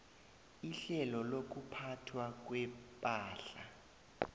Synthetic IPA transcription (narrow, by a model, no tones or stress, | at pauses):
iɬɛlɔlok̬upʰatʰwak̬wɛpʼaːɬa̰